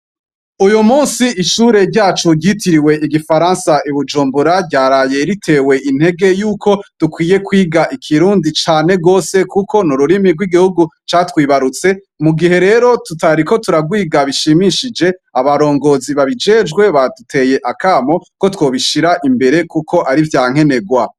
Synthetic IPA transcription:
ujumuːnsiʔiʃuːɾe̞ɾɟaːt͡ʃuɟitiɾiwe̞ʔiɡifaɾaːnsaʔiβud͡ʒuːmbuɾabɟaːɾaːje̞ɾitʰe̞ːwe̞ʔin̥he̞ɡe̞juːkʰo̞d̥ukwiːje̞kwiːɡaʔikʰiɾuːndit͡ʃaːne̞ɡo̞ːse̞kukʰo̞nuɾuɾimiɡwiɡihuɡu | t͡ʃaːtwiːβaɾut͡se̞ | muɡihe̞ɾe̞ːɾo̞tutaɾiko̞tuɾaɡwiːɡaβiʃimiʃid͡ʒe̞aβaɾo̞ːŋɡo̞ːziβaβid͡ʒe̞ːd͡ʒɡwe̞βatutʰe̞je̞ʔakaːmo̞ko̞two̞ːβiʃiɾaʔimbe̞ɾe̞kukʰo̞ʔaɾivjaːŋ̥e̞ne̞ɡwa

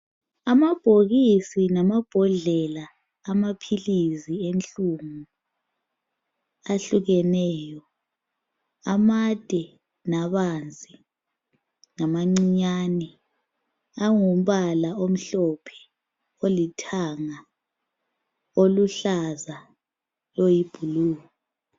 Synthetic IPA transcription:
amab̥ʱoɣisinamab̥ʱɔɮɛlaː | mapʰilizient͡ɬʼumu | aɬuɣɛnɛːjɔ | amad̥ʱɛ | naβand͡zʱi | ŋamaŋ͡ǀiɲaːnɛ | aŋum̩βalaom̩ɬɔpʰɛ̥ | olitʰaŋa | oluɬaza | lojib̥ʱuluːɣ | ɔ

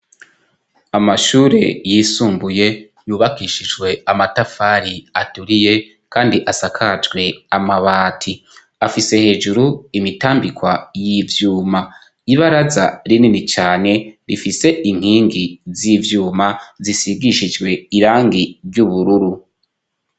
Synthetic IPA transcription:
amaʃuːɾe̞jiːsuːmbuje̞ | juːβakiʃid͡ʒɡwe̞amatafaːɾiatuɾije̞ | kaːndiʔasakʰad͡ʒɡwe̞amaβaːtʰi | afise̞he̞ːd͡ʒuɾuimitaːmbikwajivjuːma | iβaɾazaɾininit͡ʃaːne̞ɾifise̞ʔiŋ̥hiːŋɡizivjuːmazisiɡiʃid͡ʒɡwe̞iɾaːŋɡiɾɟuβuɾuɾu

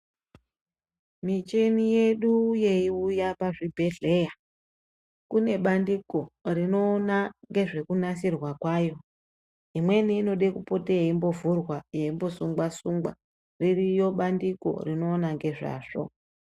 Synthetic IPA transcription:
mit͡ʃenije̞ɗuje̞iujapaʐibʱe̞ɮe̞ja | kune̞ɓandiko̞rino̞ːnaŋɡe̞ʐe̞kunasirwakwajo̞ | imwe̞niːno̞ɗe̞kupo̞tejeimbo̞vurwajeimbo̞suŋɡwasuŋɡwa̰ | ririjo̞ɓandiko̞̰rino̞ːnaŋɡe̞ʐa̰ːʐ̥o̰

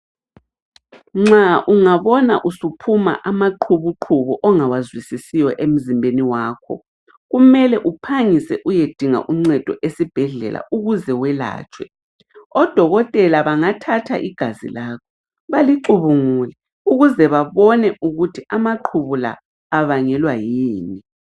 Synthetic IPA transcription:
ŋ͡ǁaʔuŋaβɔnaʔusupʰuma̰ʔamaǃʰuβuǃʰuβuʔɔŋawazwisisijɔʔem̩zimbʱeniwaːkʰɔ̰ | ɣumɛlɛʔupʰaŋisɛʔujed̥ʱiŋa̰ʔuŋ͡ǀɛd̥ʱɔʔesib̥ʱɛɮɛ̰lʔa̰ʔuɣuzɛwɛla̰ːt͡ʃʼwɛ̰ | ɔd̥ʱɔɣɔtʼɛlaβaŋatʰatʰa̰ʔiɡ̥ʱazḭlaːkʰɔ | βaliǃuβuŋulɛ | uɣuzɛβaβɔnɛʔuɣutʰiamaǃʰuβula̰ː | βaŋɛlwajiːni

